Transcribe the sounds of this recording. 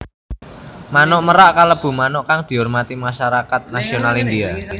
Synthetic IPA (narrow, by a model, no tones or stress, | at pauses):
manɔʔməɾaʔkaləb̥ṳmanɔʔkaŋd̪̥i̤ʊrmat̪imaʃaɾakat̪̚nasionalindia